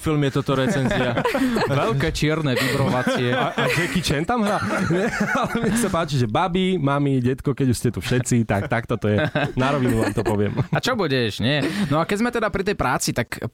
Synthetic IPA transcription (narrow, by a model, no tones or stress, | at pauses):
filmjɛt̪ɔt̪ɔɾɛt͡sɛnziaʋɛʎkɛːt͡ʃɪɛɾnɛʋibɾɔʋat͡siɛaad͡ʒɛkit͡ʃɛnt̪amɦɾaɲɛalɛmɲɛxsapaːt͡ʃiʒɛbabimamiɟɛt̪kɔkɛɟuscɛt̪ufʃɛt͡sit̪ak̚t̪akt̪ɔt̪ɔjɛnaɾɔʋinuʋaamt̪ɔpɔʋɪɛ̰mat͡ʃɔbuɟɛʃɲɛnɔakɛɟzmɛt̪ɛd̪apɾit̪ɛjpɾaːt͡sit̪ak